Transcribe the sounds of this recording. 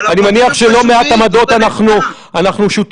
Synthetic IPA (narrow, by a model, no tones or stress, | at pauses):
animaniaχʃe̞lo̞meat̪amad̪o̞t̪anaχnu | anaχnuʃut̪